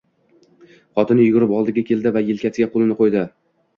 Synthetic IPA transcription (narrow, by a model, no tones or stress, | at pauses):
χɒt̪ɪnɪjʊɡʲʊɾɪpɒlˠd̪ɪɡʲakʲʰe̞lˠd̪ɪvajɪlkʲat̪ɪɡʲaqʰolˠɪnɪqʰojd̪ɪ